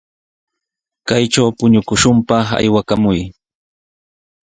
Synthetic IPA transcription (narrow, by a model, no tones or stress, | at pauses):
kajʈ͡ʂawpʊɲʊkʊʃʊmpɑχa̰jwakamʊj